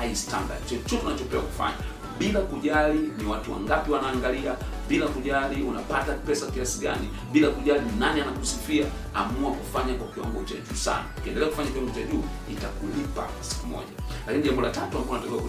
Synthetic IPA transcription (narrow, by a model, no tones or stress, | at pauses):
haista̰nda̰d̚t͡ʃɔt͡ʃɔtɛanat͡ʃɔpɛwa̰ku̥fa̰ɲa | ɓilakuʄaliniwatuwa̰ŋɡapiwanaːŋɡaliaɓilakuʄaliuna̰patapɛsakiasiɡa̰ni | ɓilakuʄalinanianakusifia | amuakufaɲakwakiwa̰ŋɡɔt͡ʃa̰ʄuːsa̰na̰ukiɛndɛlɛaku̥faɲakiwaŋɡɔt͡ʃaʄuː | itakulipa̰ | si̥kumɔ̰ʄalakiniʄambɔlatatuamkɔanatakɛwaku